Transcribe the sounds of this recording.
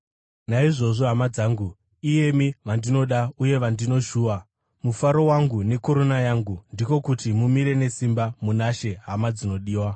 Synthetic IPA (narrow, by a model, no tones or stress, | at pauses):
naiʐo̞ʐoɦamad͡zaːŋɡu | ije̞miʋandino̞ɗauje̞ʋandino̞ʃuːwa | mufaɾo̞waŋɡune̞koɾo̞najaŋɡundiko̞kutimumiɾe̞ne̞simbamunaʃe̞ɦamad͡zino̞ɗiːwa